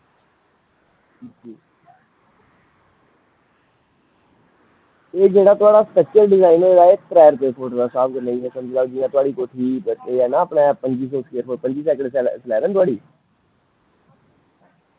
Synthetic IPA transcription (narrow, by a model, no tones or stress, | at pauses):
iːd͡ʒiː | eːd͡ʒeːɽaːt̪ʊaːɽaːsʈ̪ət͡ʃːəlɖɪzaːinoeːdaːek̚ʈɾɛːəɾpeːpʰoːʈd̪aːsaːb̚kəɾnaːiɛːsəməd͡ʒlaːd͡ʒɪjãːt̪ʊaːɽiːkoːʈʰiːbəeːɛːnaəpɳɛːpəɲd͡ʒiːsɔ̃ːseːəɾpʰoːpəɲd͡ʒiːsɛːkəɳɖslɛːɾɛ̃nt̪ʊaːɽiː